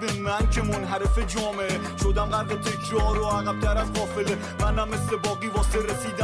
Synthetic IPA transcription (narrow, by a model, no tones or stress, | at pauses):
bemænkʰemonɦæɾefed͡ʒɒːmeʔe | ʃod̪æmɡæɾd̪et̪ʰekʰɾɒːɾoæɣæb̚t̪ʰæɾæzʁɒːfele | mænæmːesle̞bɒːɣiːvɒːseɾesiːd̪æ